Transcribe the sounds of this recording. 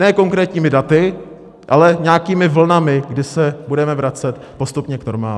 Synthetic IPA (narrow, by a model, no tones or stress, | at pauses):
nɛːko̞ŋkɾɛːt̪ɲiːmɪdat̪ɪ | ʔalɛɲaːkiːmɪvl̩namɪɡdɪsɛbudɛmɛvɾat͡sɛt̪ | po̞st̪upɲɛkno̞̰ɾma̰ː